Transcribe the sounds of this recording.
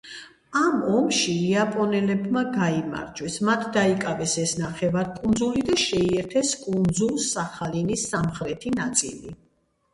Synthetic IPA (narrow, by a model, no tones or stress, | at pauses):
amɔmʃiːapʼɔnɛlɛbmaɡaima̰ɾd͡ʒwɛsmat̪ʰd̪aikʼavɛsɛsnaχɛvaɾkʼund̪zulid̪aʃɛiɛɾt̪ʰɛskʼund̪zulˠsaχalinisːamχɾɛt̪ʰinat̪sʼḭli